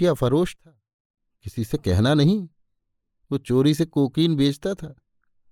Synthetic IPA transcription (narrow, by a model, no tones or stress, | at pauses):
ijafɐɾoːʃt̪ʰaː | kɪsisekɛɦnanɐɦĩ | ʋoːt͡ʃoːɾisekoːkiːnbʱeːd͡ʒt̪at̪ʰaː